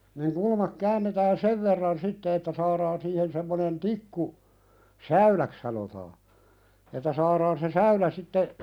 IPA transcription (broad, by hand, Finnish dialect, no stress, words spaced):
niŋ kulmɑk kæːnːetæːn seʋ ʋerːɑn sitːe etːæ sɑːɾɑːn siːhen semːonen tikːu sæylæk sɑnotɑː etːæ sɑːɾɑːn se sæylæ sitːe